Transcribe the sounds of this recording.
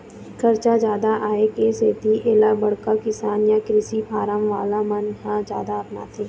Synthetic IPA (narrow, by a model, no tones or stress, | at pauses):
kɐɾt͡ʃad͡ʒjaːd̪aʔaːekeːseːt̪iʔeːlabɐɽkakɪsaːnjakɾɪsipʰaːɾəmʋaːlamɐnɦãd͡ʒja̰ːd̪aɐpna̰ːt̪ʰeː